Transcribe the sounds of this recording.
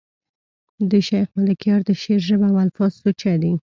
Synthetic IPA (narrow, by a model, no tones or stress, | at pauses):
d̪əʃajxmalakjɑɾd̪əʃeɾʒəbawalfɑz̥sut͡ʃad̪i